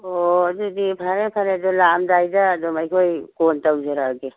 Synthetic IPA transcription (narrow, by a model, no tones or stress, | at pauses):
ɔdudipʰaɾepʰaɾedɔlamdajdaːdɔmajkʰojkɔntawzeɾaɡe